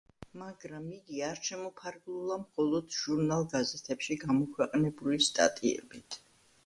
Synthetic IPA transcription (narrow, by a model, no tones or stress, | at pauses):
maɡɾamiɡiaɾt͡ʃʰɛmɔpʰaɾɡlˠulˠamχɔlˠɔd̪̥ʒ̥uɾnalˠɡazɛt̪ʰɛpʃiɡamɔkʰwɛqʼnɛbulist̪ʼa̰t̪ʼiɛ̰bit̪ʰ